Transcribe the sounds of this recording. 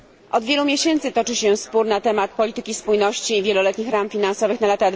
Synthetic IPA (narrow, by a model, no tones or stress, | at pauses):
ʔɔd̪vʲjɛlumʲjeɕɛnt̪sɘt̪ɔt͡ʂɘɕɛspuɾnat̪ɛmat̪̚pɔlʲit̪ɘkʲispujnɔɕt͡ɕiːvʲjɛlɔlɛt̪ɲixɾamfʲinansɔvɘxnalat̪ad̪